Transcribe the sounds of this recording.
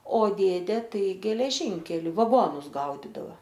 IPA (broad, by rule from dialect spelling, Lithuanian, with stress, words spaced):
oː ˈdʲeːdʲeː ˈtɐɪ ɡʲɛlʲɛˈʒʲɪŋʲkʲɛlʲɪ ʋɐˈɡoːnʊs ˈɡɐʊdʲɪdɐʋɐ